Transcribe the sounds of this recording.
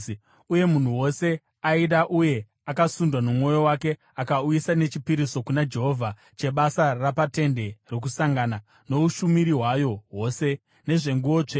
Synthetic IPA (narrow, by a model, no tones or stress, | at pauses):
uje̞mun̤uwo̞se̞ | aiɗaʔuje̞ | akasundwanomŋo̞jo̞wake̞ | akaujisane̞t͡ʃipiɾiso̞kunad͡ʒe̞ɦo̞vʱa | t͡ʃe̞ɓasarapate̞nde̞rek̬usaŋɡaːna | no̞uʃumiɾiɦwajo̞ɦoːse̞ | ne̞ʐe̞ŋɡuo̞t͡ʂe